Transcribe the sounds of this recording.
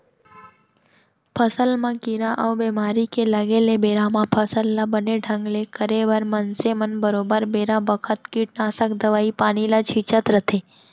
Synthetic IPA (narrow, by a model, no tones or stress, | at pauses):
pʰəsəlmãkiɾãʔəwbemaːɾikeləɡelebeːɾãmãpʰəsəlːabəneɖʱə̃ŋɡlekəɾeʋəɾmənsemənbəɾoːbəɾbeːɾãbəkʰət̪kiːʈ̚naːsəkd̪əʋaːipaːñilat͡ʃʰit͡ʃət̪ɾət̪ʰe